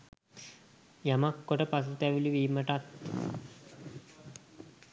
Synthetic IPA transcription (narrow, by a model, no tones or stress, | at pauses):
jamakːoʈəpas̬ut̪æʋiliʋiːməʈat̪